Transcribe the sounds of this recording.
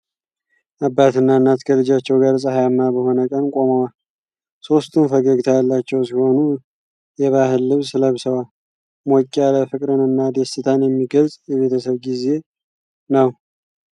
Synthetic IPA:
ʔabːat̪ʰɨnːaɨnːat̪kʰəlɨd͡ʒat͡ʃːɛwɡaɾsʼəhajamːabəɦo̞nəkʼənkʼo̞məwal | so̞st̪ʰɨnfəɡəɡt̪ʰajalːat͡ʃːɛwsiho̞nu | jɛβaɦɨlːɨβsɨləβsəwal | mokʼːaləfɨkʼɾɨnɨnːad̪esɨt̪ʰanjɛmːiɡəlsʼjɛβe̞t̪ʰəsəβɡize̞ | nəw

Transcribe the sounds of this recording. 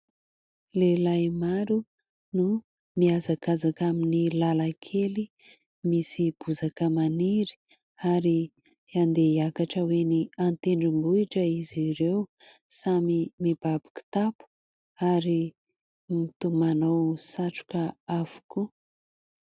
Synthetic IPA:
lelajmaɾu | nu | miazakazakaminilalakʰeli | misib̥uzakəmaniɾi̥ | aɾi | and̪eiakaʈ͡ʂəweniant̪eɳɖ͡ʐimbuiʈ͡ʂəiziɾew | samimib̥abi̥ku̥t̪apu̥ | aɾi | mit̪umanowsaʈ͡ʂu̥kəavu̥ku

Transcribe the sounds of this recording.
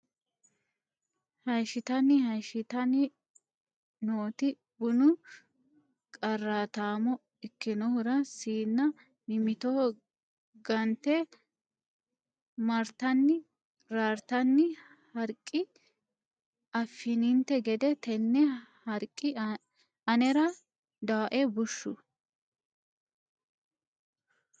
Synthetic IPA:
hɐjʃɪt̪ɐnːɪhɐjʃɪt̪ɐnɪ | noːt̪ɪ | bʊnʊ | kʼɐrːaːt̪aːmɔ | ɪkːɪnɔhʊɾɐsiːnːɐ | nɪmɪt̪ɔɔ | ɡɐnt̪ɛ | mɐɾt̪ɐnːɪ | ɾaːɾt̪ɐnːɪ | hɐɾkʼːɪ | ɐfːɪnɪnt̪ɛɡɛd̪ɛt̪ɛnːɛhɐɾkʼːɪ | ɐnɛɾɐ | d̪aːʔɛbʊʃːʊ

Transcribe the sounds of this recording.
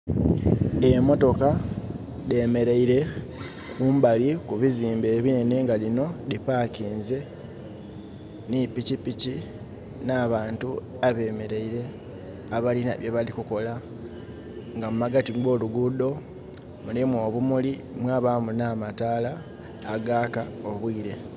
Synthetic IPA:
emo̞to̞ka | de̞me̞ɾeiɾe̞ | kuːmbalikuβiziːmbe̞ːβine̞ne̞ŋɡalino̞lipaciːnze̞ | nipicipici | naːβaːntu | aβe̞ːme̞ɾeiɾe̞ | aβalina̰βjoβalikuko̞la | ŋɡamumaɡatiɡo̞ːluɡudo̞ | mulimwo̞ːβumuli | mwaːβamunaːmataːlaː | ɡaːkaoβwiːɾe̞

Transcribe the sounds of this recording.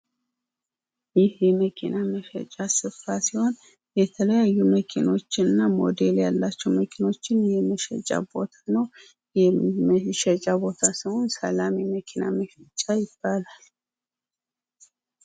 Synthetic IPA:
jɪhjɛməkʰɪnaməʃɛ̰t͡ʃʼasɨfasɪho̞n | jɛt̪ʰələjajːuməkʰɪno̞t͡ʃːɪnːamo̰d̪eljalːat͡ʃːɛwməkʰɪno̞t͡ʃːɪnjɛməʃɛ̰t͡ʃʼa̰bo̞t̪ʰḁnəw | jɛməʃɛt͡ʃʼabo̞t̪ʰasɪhonsɐlamiməkʰɪna̰məʃɛt͡ʃʼːajɪb̥ːalal

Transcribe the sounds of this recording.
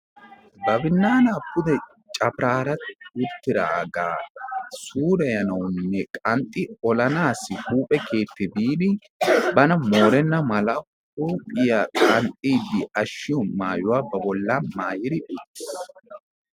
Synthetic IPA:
bɐbɪnːaːnaːpːʊd̪ɛ | t͡ʃʼɐpɾaːɾɐt̪ʊt̪ːɪɾa̰ɡa̰ːsuːɾɐjɐnɐwʊnːɛkʼɐnt̪ʼːɪɔlɐnaːsːɪhuːpʼɛkʰe̞ːt̪ːɪb̪iːd̪ɪ | bɐnɐmo̞ːɾɛnːɐmɐlɐ | huːpʼɪjakʼɐnt̪ʼiːd̪ɪɐʃːɪjɔmaːjʊwaːbɐbɔlːanmaːjɪd̪ɪʊt̪ːɪ̥s

